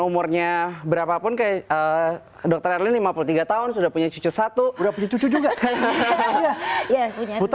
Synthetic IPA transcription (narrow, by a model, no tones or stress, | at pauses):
umʊrɲabəɾapapʊnkajaə | dɔk̚t̪ərɛrlɪnlimapulut̪iɡat̪aɦʊnsudahpuɲat͡ʃut͡ʃusat̪uudahpuɲat͡ʃut͡ʃud͡ʒuɡa | japuɲaut̪